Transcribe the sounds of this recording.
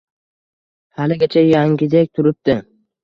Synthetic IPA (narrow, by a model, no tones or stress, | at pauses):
halɪɡʲat͡ʃʰajaŋɡʲɪd̪ek̚ʲt̪ʰʊɾɪp̚d̪ɪ